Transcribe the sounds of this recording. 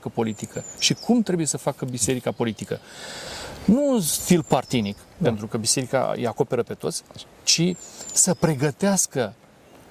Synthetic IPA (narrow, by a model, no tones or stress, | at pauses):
kəpo̞lit̪ikʰəʃikʰumt̪ɾe̞buje̞səfakəbise̞ɾikapo̞lit̪ikə | nufilpart̪inikpe̞nt̪ɾukəbise̞ɾika̰jḛako̞pe̞ɾəpe̞t̪o̞t̪sʲ | t͡ʃisəpɾe̞ɡət̪easkə